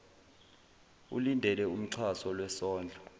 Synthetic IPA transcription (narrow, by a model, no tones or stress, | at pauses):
ṵlindʱɛlɛum̩ǀʰwasɔlwɛsɔːnd͡ɮʱɔ